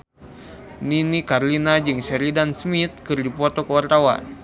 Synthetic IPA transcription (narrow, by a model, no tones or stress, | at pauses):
ninikarlinad͡ʒɨŋsɛɾidansmit̪̚kɨrdipɔt̪ɔkəwart̪awa̰n